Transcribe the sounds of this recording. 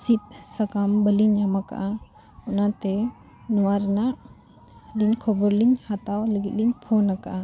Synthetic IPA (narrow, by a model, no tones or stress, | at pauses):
sit̪̚sakambəliɲamaka̰ʔa | ɔnat̪ɛ | nɔwaɾnaʔ | liɲkʰɔbɔɾliɲhat̪awləɡit̪̚liɲpʰɔnakaʔa